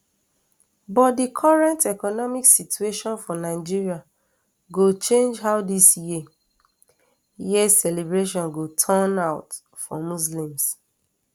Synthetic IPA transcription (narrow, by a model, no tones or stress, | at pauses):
bɔt̚dikʰɔɹɛ̃ntɛkɔnɔmiksitʰueʃɔ̃nfɔ̃naɪd͡ʒiɹia | ɡot͡ʃẽnd͡ʒɦaʊdisji | jissɛlebɹeʃ̬ɔ̃nɡotʰãnaʊt | fɔ̰muslĩms